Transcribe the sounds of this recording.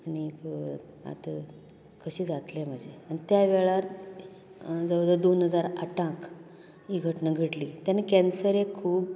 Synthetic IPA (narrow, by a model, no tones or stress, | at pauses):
ani | a̰t̪ə | kəɕiːd͡zat̪lem̤əd͡ʑʱeanit̪jaʋeɭaɾ | d͡zəʋwd̪əd̪onɦəd͡zaɾaʈãk | iɡʱəʈnəɡʱəʈlit̪janekɛnsəɾekʰuːb